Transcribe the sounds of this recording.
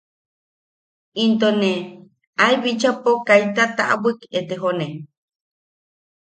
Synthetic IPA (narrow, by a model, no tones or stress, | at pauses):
int̪one | ajβit͡ʃapokajt̪at̪aʔa̰wɨket̪eɦone